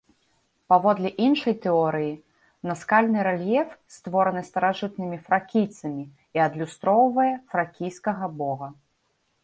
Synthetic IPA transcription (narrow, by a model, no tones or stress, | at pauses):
pavɔd̪lʲɛʔinʂɐjt̪ɛɔɾɨji | nɐskalʲnɨɾɛlʲjɛfst̪vɔɾɐnɨst̪ɐɾaʐɨt̪̚nɨmʲifɾakʲijt̪sɐmʲi | iɐd̪lʲust̪ɾɔwvɐjɛfɾakʲijskɐɣɐbɔɣɐ